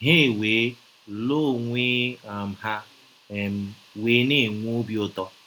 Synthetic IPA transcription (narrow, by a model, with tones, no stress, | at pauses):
ɦe˦˨weː˨˦ | lo˦˨ŋʷe˦˨m̩˨ha˦ | e˨m̩˦weː˨˦ne˦˨ŋʷu˦bi˦ʊ˨tɔ˦